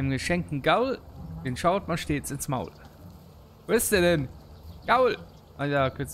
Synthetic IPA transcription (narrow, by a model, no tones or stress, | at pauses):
ɪnəmɡəʃɛŋk̚tn̩ɡaʊld̥eːnʃaʊtmanʃteːt͡sɪnsma̰ʊl | voɪstiːɐdɛnɡ̥aʊl | ʔajaːkʰɛt͡s